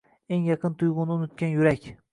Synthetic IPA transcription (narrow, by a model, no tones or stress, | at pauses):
eŋjɑqʰɨnt̪ʰʊjʁʊnɪʊnʊt̪̚kʲanjʊɾakʲ